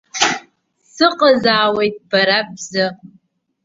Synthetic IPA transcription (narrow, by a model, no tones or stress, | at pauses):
sɨqʼazaːwe̞jtʼb̥aɾab̚zɨ